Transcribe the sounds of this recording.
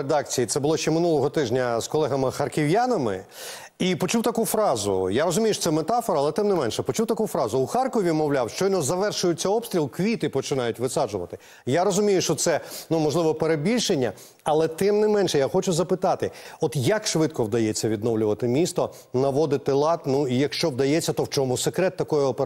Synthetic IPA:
ed̪ɑk̚t͡sʲijit̪sɛbʊlˠɔʃt͡ʃɛmɪnulˠɔɦɔt̪ɪʒnʲɐskɔlˠɛɦɐmɪxɐrkʲɪwjanɐmɪ̰ | ipɔt͡ʃuwt̪ɐkufɾɑzʊ̰jaɾɔzʊmʲijʊʃɔ̥sɛmet̪ɑfɔɾɐːlˠɛt̪ɪmnɪmɛnʃɛpɔt͡ʃuwt̪ɐkufɾɑzʊuxɑrkɔʋʲimɔwlʲawʃt͡ʃɔjʲnɔzɐʋɛrʃʊjʊt͡sʲːɐɔbst̪ʲɾʲilˠkʋʲit̪ɪpɔt͡ʃɪnɑjʊtʲʋɪsɑʒʊʋɐ̰t̪ɪ | jaɾɔzʊmʲijʊʃt͡ʃɔt̪sɛnumɔʒlˠɪʋɔpeɾebʲilʲʃenʲːɐ̰ | ɐlˠɛt̪ɪmnɪmɛnʃɛjaxɔt͡ʃʊzɐpɪt̪ɑt̪ɪɔt̪jɐkʃʋɪt̪kɔwd̪ɐjet͡sʲːɐʋʲid̪nɔwlʲʊʋɐt̪ɪmʲist̪ɔ | nɐʋɔd̪ɪt̪ɪlˠɑt̪nuijɐkʃt͡ʃɔwd̪ɐjet͡sʲːɐt̪ɔwt͡ʃɔmʊsekɾɛt̪ːɐkɔjɛɔpe

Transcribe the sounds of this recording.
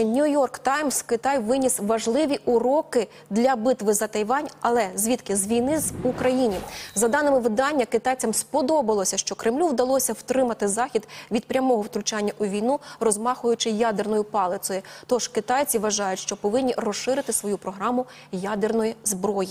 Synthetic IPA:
nʲujɔrkt̪ɑjmskɪt̪ɑjʋɪnʲisʋɐʒlˠɪʋʲiʔʊɾɔkɪ | d̪lʲɐbɪt̪ʋɪzɐt̪ɐjʋɑnʲɐlˠɛzʲʋʲit̪kɪzʋʲijnɪzukɾɐjinʲizɐd̪ɑnɪmɪʋɪd̪ɑnʲːɐkɪt̪ɑjt͡sʲɐmspɔd̪ɔbɐlˠɔsʲɐʃt͡ʃɔkɾɪmlʲuwd̪ɐlˠɔsʲɐwt̪ɾɪmɐt̪ɪzɑxʲid̪ʋʲid̪̚pɾʲɐmɔɦɔwt̪ɾʊt͡ʃanʲːɐʔʊʋʲijnurɔzmɑxʊjʊt͡ʃɪjad̪ernɔjʊpɑlˠɪsɔjʊt̪ɔʒ̥kɪt̪ɑjt͡sʲiʋɐʒɑjʊtʲʃt͡ʃɔpɔʋɪnʲːirɔʃɪɾɪt̪ɪsʋɔjupɾɔɦɾɑmʊ | jad̪ernɔjizbɾɔji

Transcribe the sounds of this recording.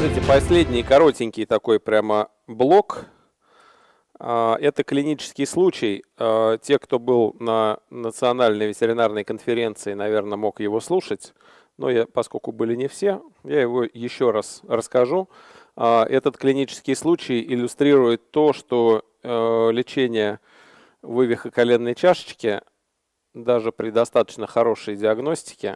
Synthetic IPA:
itʲɪpɐsʲlʲedʲnʲɪjkɐɾo̞tʲɪnʲkʲɪjt̪ɐko̞jpɾʲamə | blˠo̞k | aʔɛt̪əklʲɪnʲit͡ɕɪ̥skʲɪjslˠut͡ɕɪjətʲe̞kt̪o̞bɨlˠnənət̪sɨɐnalʲnəjvʲɪtʲɪɾʲɪnarnəjkənfʲɪɾʲe̞nt̪sɨɪnɐvʲe̞rnəmo̞kjɪvo̞slˠuʂətʲ | no̞̰japɐsko̞lʲkʊbɨlʲɪnʲɪfsʲe̞jajɪvo̞jɪɕːo̞ɾasrəskɐʐu | aʔɛt̪ət̪klʲɪnʲit͡ɕɪ̥skʲɪjslˠut͡ɕɪjɪlʲːʊst̪ɾʲiɾʊjɪt̪ːo̞ʂt̪o̞ | lʲɪt͡ɕenʲɪjə | vɨvʲɪxəkɐlʲe̞nːəjt͡ɕaʂə̥t͡ɕkʲɪ | d̪aʐɨpɾʲɪd̪ɐst̪at̪ə̥t͡ɕnəxɐɾo̞ʂəjdʲɪɐɡno̞sʲtʲɪ̥kʲɪ̰

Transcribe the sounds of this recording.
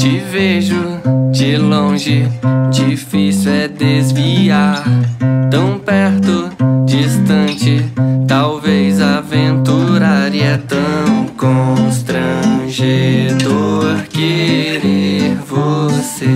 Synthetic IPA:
t͡ʃɪveʒʊd͡ʒɪlõʒɪd͡ʒifisuwɛd̪ezviaɾt̪ɐ̃w̃pɛɾt̪ʊd͡ʒist̪ɐ̃nt͡ʃɪt̪awvezavẽnt̪uɾaɾiɛt̪ɐ̃w̃w̃kõst̪ɾɐ̃ʒed̪oɾkeɾeɾvose

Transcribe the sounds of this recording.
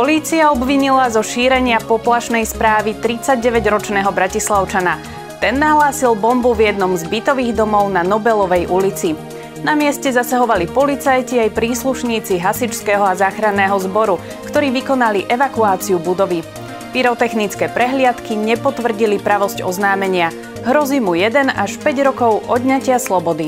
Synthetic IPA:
pɔliːt͡siaɔbʋiɲilazɔʃiːɾɛɲɪapɔplaʃnɛjspɾaːʋit̪ɾit͡saɟɟɛʋɛɟɾɔt͡ʃnɛːɦɔbɾacislaʊt͡ʃana | t̪ɛnːaɦlaːsilbɔmbuvjɛd̪nɔmzbit̪ɔʋiːɣd̪ɔmɔʊnanɔbɛlɔʋɛjʔulit͡si | namɪɛscɛzasaɦɔʋalipɔlit͡sajciajpɾiːsluʃɲiːt͡siɦasit͡ʃskɛːɦɔazaːxɾanːɛːɦɔzbɔɾu | kt̪ɔɾiːʋikɔnaliʔɛʋakuaːt͡siubud̪ɔʋi | piɾɔt̪ɛxnit͡skɛːpɾɛɦlɪat̪kiɲɛpɔt̪ʋr̩ɟilipɾaʋɔzcɔ̰znaːmɛɲɪa | ɦɾɔziːmujɛd̪ɛnaʃpɛɟɾɔkɔʊʔɔd̪ɲacɪaslɔbɔd̪i

